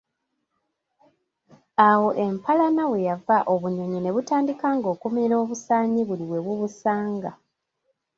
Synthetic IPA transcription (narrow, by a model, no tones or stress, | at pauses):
awo̞ʔe̞mpʰalanaβwe̞javaʔo̞βuɲo̞ɲone̞βutaːndikaːŋɡo̞ːkumiɲiɾo̞ːβusaːɲiβuliβwe̞βwuβusaːŋɡa